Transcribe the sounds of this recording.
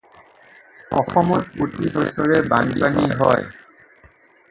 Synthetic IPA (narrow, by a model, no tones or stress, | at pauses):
ɔ̰xɔmɔtputidɔsɔɹɛbanpaniɦɔ̰j